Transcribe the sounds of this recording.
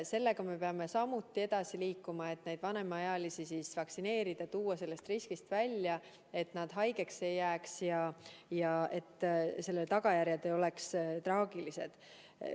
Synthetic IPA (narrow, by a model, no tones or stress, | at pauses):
se̞lːe̞ɡ̥ɑme̞pe̞ɑme̞sɑmut̪ˑːie̞d̪̥ɑsiliːkːˑumɑe̞t̪ne̞jd̪̥vɑne̞mɑɑjɑlisisisvɑksine̞ːɾid̪̥ɑt̪uːɑse̞lːe̞st̪riskist̪vælʲːjɑ | e̞t̪nɑd̪̥ɦɑjɡ̥e̞kse̞jːæːksjɑjɑe̞t̪ːse̞lːelt̪ɑɡ̥ɑjæɾjɑd̪eo̞le̞kst̪rɑːɡ̥ilise̞d̪̥